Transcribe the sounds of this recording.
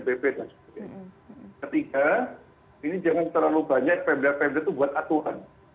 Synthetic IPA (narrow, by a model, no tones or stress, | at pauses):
bebedansə̥put̪akət̪ika | inid͡ʒaŋant̪ərlalubaɲak̚pɛmblapɛblat̪ubuat̪at̪uɾa̰n